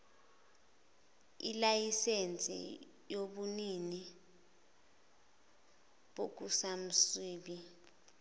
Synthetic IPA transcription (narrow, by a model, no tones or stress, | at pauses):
ḭlajisent͡sʼḭ | joɓunini | ɓok̬usam̩swiːɓi